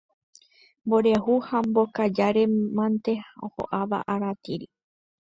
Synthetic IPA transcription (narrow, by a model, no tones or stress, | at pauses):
mboɾehuhambokad͡ʒaɾe̞mãnt̪eoho̰ʔaʋa̰ʔaɾat̪iɾi